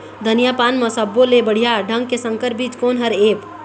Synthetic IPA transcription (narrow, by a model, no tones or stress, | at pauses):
d̪ʱənijapanməsəbːolebəɽ̤ijaɖʱə̃ŋɡkesəŋkəɾpit̪konɦəɾep